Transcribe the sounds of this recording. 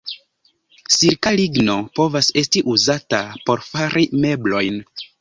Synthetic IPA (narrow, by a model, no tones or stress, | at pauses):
siɾkaliɡno̞po̞vase̞stiʔuzatapo̞ɾfaɾʔime̞blo̞jn